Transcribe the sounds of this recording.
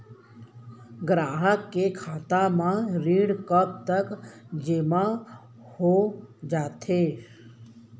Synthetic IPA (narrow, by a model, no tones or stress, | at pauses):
ɡɾaːɦəkːekʰaːt̪amãɾiːɽkəp̚t̪əkd͡ʒeːmã | hod͡ʒaːt̪ʰeː